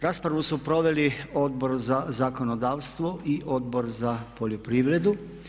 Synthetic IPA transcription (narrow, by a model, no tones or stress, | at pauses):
ɾaspɾaʋusupɾo̞ʋe̞lio̞d̪̚bo̞ɾzazako̞nod̪aːʋst̪ʋoʔiʔo̞d̪bo̞ɾzapoʎopɾiːʋɾe̞d̪u